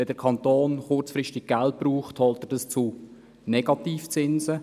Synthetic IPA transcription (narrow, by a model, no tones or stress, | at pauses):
ɛdəɾkʰɑnt̪oːnχʊɾt͡sfɾɪʃtɪɡ̚ɡ̥ælt̚b̥ruːχthɔltɛd̥ɑst͡su | nɛɡ̥ɑtiːft͡sɪnsə